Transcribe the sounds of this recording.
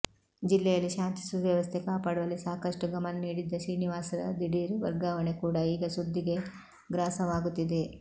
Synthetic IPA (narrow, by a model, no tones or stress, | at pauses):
d͡ʒilːɛjɐlːiʃaːnt̪i̥sud̪ʋjɐʋɐst̪ʰɛkaːpaːɽuʋɐlːisaːkɐʂʈuɡɐmɐnɐniːɽid̪ːɐʃiːniʋaːsɐd̪ɐ̰d̪iɽiːɾʋɐɾɡaːʋɐɳekuːɽɐiːɡɐsud̪ʱːiɡe̞ | ɡɾaːsɐʋaːɡut̪ːid̪e